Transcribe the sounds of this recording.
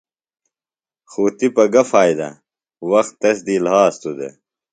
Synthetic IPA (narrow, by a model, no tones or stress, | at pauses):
xuːt̪ipɐɡɐfaːjd̪ɐ̰ | wɐxt̪ːɐsd̪iːlhaːst̪ud̪ḛ